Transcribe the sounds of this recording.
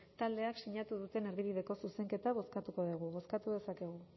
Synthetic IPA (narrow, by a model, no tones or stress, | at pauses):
t̪ald̪e̞aksiɲat̪uðut̪e̞ne̞ɾðiβiðe̞ko̞suse̞ŋke̞t̪aβ̞o̞skat̪uko̞ðiɣ̞uβo̞skat̪uðe̞sake̞ɣ̞u